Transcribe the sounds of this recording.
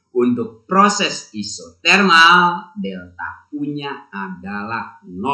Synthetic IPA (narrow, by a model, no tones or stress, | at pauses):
unt̪ʊk̚pɾɔsɛsisɔt̪ɛrnaldɛlt̪a̰p̚uɲaadalahnɔ